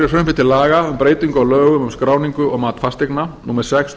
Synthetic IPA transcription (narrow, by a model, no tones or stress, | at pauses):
ɪɾsffɪ̥t̪ʰɪlaːɣaʏmpɾeːjt̪iŋkɔɣlœːɣʏmʏmskɾaːwniŋkʏɔɣmaːt̪fast̪ɪknanuːmɛɾ̥sɛks